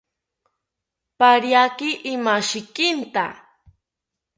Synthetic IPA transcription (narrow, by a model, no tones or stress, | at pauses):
paɾjakɪʔɪmaʃɪkɪnt̪a̰